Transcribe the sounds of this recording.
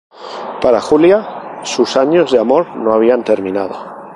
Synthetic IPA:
paɾaxuljasusaɲo̞zðeamo̞ɾnoaβ̞iant̪eɾmĩnað̞o̰

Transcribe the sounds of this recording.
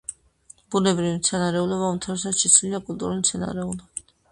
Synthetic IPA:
b̥unɛbɾivit̪sʰɛnaɾɛulɔβaumt̪ʰaɾɛs̬at̪ʃisʰliakʼult̪ʼuɾulit̪sʰɛna̰ɾɛulɔbi

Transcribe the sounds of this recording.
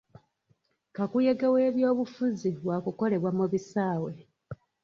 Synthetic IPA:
kakuje̞ɡewe̞ːβjo̞ːβufuziβwakuko̞le̞βwamuβisaːwe̞

